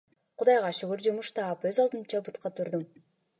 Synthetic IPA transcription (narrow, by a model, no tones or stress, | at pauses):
qud̪ɑjʁɑʃyɡyɾd͡ʒumuʃt̪ɑːpøzɑlˠd̪ɯnt͡ʃɑbut̪qɑt̪ʰuɾd̪um